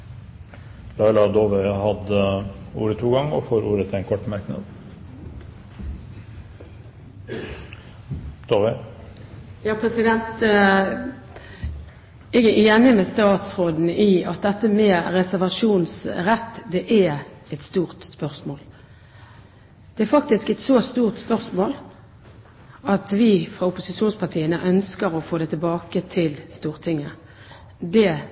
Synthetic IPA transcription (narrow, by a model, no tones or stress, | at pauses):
lɑɪlɑd̪oːʋɛhɑd̪əṵːɾət̪ʰuːɡɑŋɔ̰foːɾuːɾət̪ʰɪæɪnkʰɔʈːmɑɾknə̰d̪ | d̪̥oʋɛ | jɑːpʰɾɛsɪd̪ɛnt̪ | ɛɡæeːnɪmɛst̪ɑːt̪sʁoːd̪n̩iɑt̪̚d̪ɛt̪ːəmɛːɾɛsæʁʋɑʂuːnsɾɛt̪ːd̪ɛʔæ | ɛt̪st̪uːʁt̪spœʁsmoːl | d̪̥ɛæɾfɑk̚t̪ɪskɛt̪soːst̪uːʁt̪spœʁsmoːl | ɑt̪ʋɪfɾɑʊpʊsɪʃuːnspʰɑʁt̪ʰiːənəʔœnskəɾɔfoːd̪ɛt̪ʰɪlbɑːkət̪ʰɪlst̪uːʁt̪ʰɪŋːə | d̪ɛ